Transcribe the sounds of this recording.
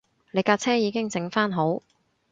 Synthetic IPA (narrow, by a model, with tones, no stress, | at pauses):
le˨˧jkaː˧t͡sʰɛː˥jiː˨˧kɪ˥ŋt͡sɪ˨˧˥ŋfaː˥nɦo˨˥w